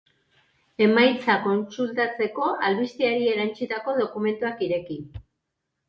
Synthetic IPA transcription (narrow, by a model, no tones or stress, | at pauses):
e̞majt͡sako̞nsult̪at͡se̞ko̞ʔalβist̪iaɾie̞ɾant͡sit̪ako̞ðo̞kume̞nt̪uakiɾe̞ki